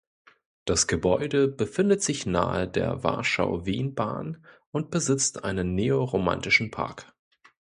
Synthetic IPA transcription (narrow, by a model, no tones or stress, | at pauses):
d̥asɡ̥əbɔʏdəbəfɪndətz̥ɪçna̰ːədḛːɐva̰ɐʃa̰ʊveːnba̰ːnʔʊnt̚b̥əzɪt͡stʔaɪnənːeːoʁoma̰ntɪʃn̩pʰa̰ɐk